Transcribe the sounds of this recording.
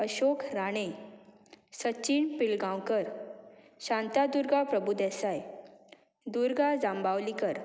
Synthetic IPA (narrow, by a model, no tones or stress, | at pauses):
əɕokɾaɽ̃e | sət͡ɕiːɳpilɡãwkəɾ | ɕãnt̪ad̪uɾɡapɾəbud̪ɛsaj | d̪uɾɡad͡zãmbawlikəɾ